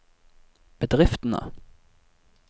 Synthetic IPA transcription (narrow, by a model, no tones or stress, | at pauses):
b̥əd̪ʁɪft̪n̩ə̰